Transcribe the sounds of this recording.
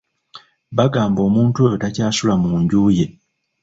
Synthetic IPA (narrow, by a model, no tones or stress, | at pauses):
βaɡaːmbo̞ːmuːntueotacaːsulamuːɲɟuːje̞